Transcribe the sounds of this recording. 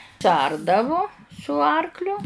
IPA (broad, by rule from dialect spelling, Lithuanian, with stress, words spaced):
sʊˈɐrdɐʋʊ sʊ ˈɐrklʲʊ